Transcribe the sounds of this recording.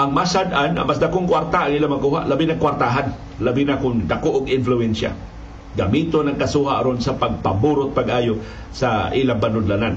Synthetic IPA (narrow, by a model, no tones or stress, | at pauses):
ʔaŋmasad̪ana̰mas̬d̪akoŋkwaɾt̪aʔaŋʔilaŋmakuːɦa̰ʔlabinakwaɾt̪aɦan | labinakʊnd̪akoʔʊɡɪnfluɛnsa̰ | ɡamit̪onaŋkasuɦaʔaɾonsapaɡ̚pabuɾʊt̪̚paɡʔaːjo | saʔilaŋbanʊd̪lanan